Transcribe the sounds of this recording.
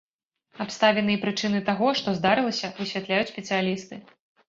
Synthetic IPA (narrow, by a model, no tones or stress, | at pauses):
apst̪avʲɛnɨjɛpɾɨt͡ʂɨnɨt̪aɣɔʂt̪ɔzd̪aɾɨlˠɐsʲɐvɨsʲvʲat̪lʲajut͡sʲsʲpʲɛt̪sɨjalʲist̪ɨ